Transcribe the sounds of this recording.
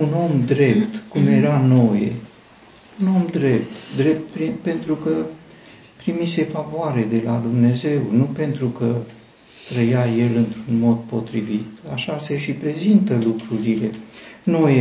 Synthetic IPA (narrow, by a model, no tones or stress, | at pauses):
uno̞md̪ɾe̞p̚t̪kumje̞ɾano̞jḛ | uno̞md̪ɾe̞p̚t̪d̪ɾep̚t̪pɾipe̞nt̪ɾukə | pɾimise̞favoaɾe̞d̪e̞lad̪umne̞ze̞wnupe̞nt̪ɾukə | t̪ɾəjaje̞lɨnt̪ɾunmo̞d̪po̞t̪ɾivit̪aʃase̞ʃipɾe̞zint̪əlukɾuɾile̞no̞je